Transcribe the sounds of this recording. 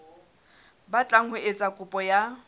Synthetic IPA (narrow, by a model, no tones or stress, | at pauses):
bat͡ɬʼaŋ̩hʊet͡sʼakʼʊpʼɔja